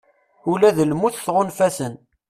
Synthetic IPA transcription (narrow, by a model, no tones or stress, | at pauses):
ulæðəlmuθθʁonfæsən